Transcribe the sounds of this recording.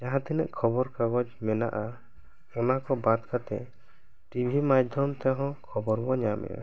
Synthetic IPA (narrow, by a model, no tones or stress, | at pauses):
d͡ʒaɦãt̪ɛnɛ̰ʔkʰɔbɔɾkaɡɔd͡ʒmɛna̰ʔa | ɔnakɔbad̪kat̪ɛ̰ | ʈibʱimad͡ʒd̪ʱjɔmt̪ɛɦɔ̃kʰɔbɔɾbɔɲamɛ̰ja̰